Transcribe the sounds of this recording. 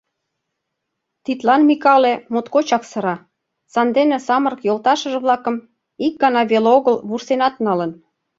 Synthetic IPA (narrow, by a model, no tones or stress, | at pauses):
t̪it̪lɑnmikɑlĕmot̪kot͡ɕɑksɤ̆ɾɑ | sɑnd̪enĕsɑməɾə̆kjolt̪ɑʃə̆ʒĕβlɑkə̆m | ik̚ɡɑnɑβeloɣəlβursenɑt̪nɑlə̆n